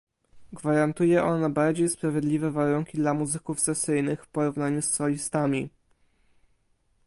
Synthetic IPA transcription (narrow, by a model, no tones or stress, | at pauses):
ɡvaɾant̪ujɛʔɔnabaɾd͡ʑejspɾavʲjed̪lʲivɛvaɾuŋkʲid̪lamuzɘkufsɛsɘjnɘxfpɔɾuvnaɲusːɔlʲist̪amʲi